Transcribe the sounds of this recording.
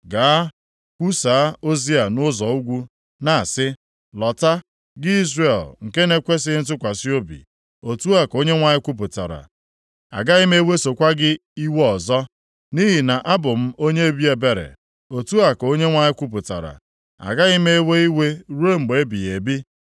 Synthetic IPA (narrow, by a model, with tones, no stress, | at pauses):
ɡa˨a˦ | kʷu˦sa˨˦o˦zi˦a˨nʊ˦zɔ˨u˦ɡʷu˦ | na˨sɪ˦ | lɔ˨ta˦ | ɡɪ˦i˦zre˨lŋ̩˨ke˦ne˦kʷe˦s̬ɪ˦n̩˦t̬ʊ˦kʷa˨si˦o˦bḭ˨ | o˨tu˦a˨ko˦ɲe˦ŋʷa˨ɲɪ˦kʷu˦p̬ʊ˨ta̰˨ɾa̰˨ | a̰˨ɡa˦ɪ˦me˦we˦so˨kʷa˦ɡɪ˦i˦we˦ɔ˨zɔ˦ | ni˦ɦi˨na˨ʔa˦bʊ˨m̩˦o˦ɲe˦e˦bi˦e˨be˨ɾḛ˨ | o˨tu˦a˨ko˦ɲe˦ŋʷa˨ɲɪ˦kʷu˦p̬ʊ˨ta̰˨ɾa̰˨ | a̰˨ɡa˦ɪ˦me˦e˦we˦i˦we˦ɾu˦e˦m̩˨ɡ͡be˨˦bi˨e˨bi˦